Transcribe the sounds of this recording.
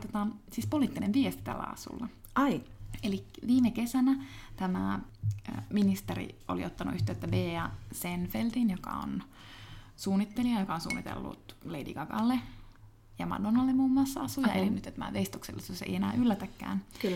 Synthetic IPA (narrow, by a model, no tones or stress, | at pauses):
t̪ot̪ɑsiːspoliːt̪ːinenʋiest̪i̥t̪æ̰lːæ̰ɑ̰sṵlːɑ | ɑielikʋiːmekesænæt̪æmæ̰ | minist̪erḭo̰lḭot̪ːɑnṵʔyht̪øːt̪ːæbeːɑsenfeldinjokɑ̰o̰n | suːnːit̪ːeliɑjokɑonsṵːnːit̪ḛlːṵt̪leidḭkɑɡɑ̰lːe | jɑmɑ̰donɑlːemmuːmːuɑsːɑɑsujɑelinyt̪ːet̪mæ̰ʋeist̪oksḛlːesosḛijenæ̰ːʔylːæt̪ækːæ̰ːnk